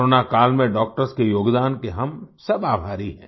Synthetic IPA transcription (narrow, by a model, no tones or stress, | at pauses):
oːnakaːlmẽɖɔːk̚ʈəɾskejoːɡd̪aːnkeɦɐmsɐbaːbʱaːɾiɦɛ̰̃ː